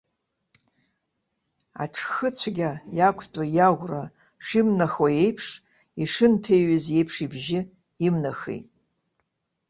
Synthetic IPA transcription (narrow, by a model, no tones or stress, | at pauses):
a̰ʈ͡ʂʰxɨt͡ɕʷʰɡʲajakʷʰtʼajaʁʷra | ʂimnaxwaje̞jpʰʂ | iʂɨntʰejɥɨzje̞jpʰʂibʒɪ | imnaxḛjtʼ